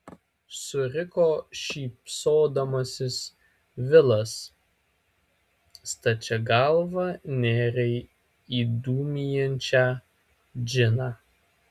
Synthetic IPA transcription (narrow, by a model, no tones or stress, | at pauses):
sʊɾʲɪkoːʃʲiːpʲsoːd̪ɐmɐsʲɪs | ʋʲɪlˠɐs | st̪ɐt͡ʃʲɛɡɐlˠʋɐnʲeːɾʲɛɪ | iːd̪uːmʲijɛnʲt͡ʃʲæː | d͡ʒʲɪnɑː